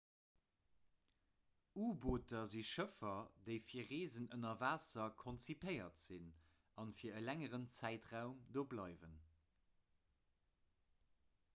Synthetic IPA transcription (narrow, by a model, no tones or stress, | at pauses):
uːboːtʰɐziʃəfɐdəɪfiːɐʁeːzənənɐvaːsɐkʰont͡sipʰəɪɐtz̥in | ɑnfiːɐəlæŋəʁənt͡sæɪtʁaʊmdoːblɑɪvən